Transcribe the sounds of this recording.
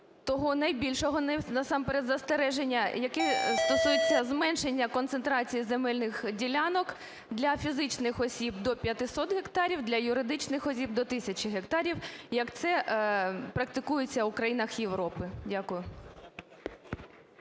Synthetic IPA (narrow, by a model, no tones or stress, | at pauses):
t̪ɔɦɔnɐjbʲilʲʃɔɦɔnɛnɐsɑmpeɾɛd̪zɐst̪eɾɛʒe̞nʲːɐjɐkɛst̪ɔsujet͡sʲːɐzmɛnʃe̞nʲːɐkɔnsent̪ɾɑt͡sʲijizemɛlʲnɪxdʲilʲanɔk | d̪lʲɐfʲizɪt͡ʃnɪxɔsʲib̚d̪ɔpʲjɐt̪ɪsɔt̪ɦekt̪ɑɾʲiwd̪lʲɐjʊɾɪd̪ɪt͡ʃnɪxɔsʲib̚d̪ɔt̪ɪsʲɐt͡ʃɪɦek̚t̪ɑɾʲiwjɐkt̪sɛ | pɾɐk̚t̪ɪkujet͡sʲːɐwʊkɾɐjinɐxjeʋɾɔpɪdʲakʊjʊ